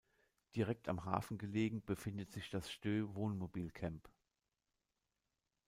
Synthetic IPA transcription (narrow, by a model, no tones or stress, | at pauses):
d̥iʁɛk̚ta̰mɦa̰ːfn̩ɡəleːɡŋ̩bəfɪndətz̥ɪçd̥asʃtøːvoːnmobiːlkʰɛmp